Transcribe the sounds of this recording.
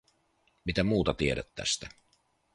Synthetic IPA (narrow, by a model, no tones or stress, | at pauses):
mit̪æmuːt̪ɑt̪ieɾæt̪ːæ̰st̪æ